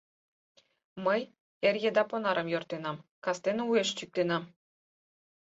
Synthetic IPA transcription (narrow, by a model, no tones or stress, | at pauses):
məj | erjĕd̪ɑponɑɾʔɤ̆mjort̪enɑmkɑst̪enueʃt͡ɕyk̚t̪enɑm